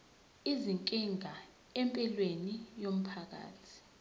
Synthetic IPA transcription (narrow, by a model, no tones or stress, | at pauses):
iziŋkʼiŋʱa | ɛmpʼɛlwenijom̩pʰak̬a̰ːtʰi̥